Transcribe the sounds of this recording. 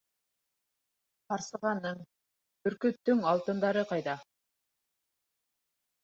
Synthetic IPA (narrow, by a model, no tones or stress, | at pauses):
qɑɾsɤʁɑnːɤɴ | bɵ̆ɾkɵ̆t̪t̪ːɵŋɑlˠt̪ɤ̆nd̪ɑɾɤqɑjd̪ɑ